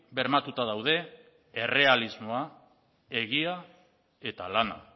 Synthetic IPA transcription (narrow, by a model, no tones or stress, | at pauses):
be̞ɾmat̪ut̪að̞awðe̞ | ere̞alizmo̞a | e̞ɣia | e̞t̪alana̰